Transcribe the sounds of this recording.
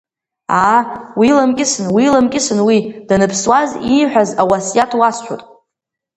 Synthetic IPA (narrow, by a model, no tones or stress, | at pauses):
awilamkʲʼɪsɨnwilamkʲʼɪsɨnwid̥anɨpʰswaziħᶣazawasjatʰwast͡ʃʷᶣo̰tʼ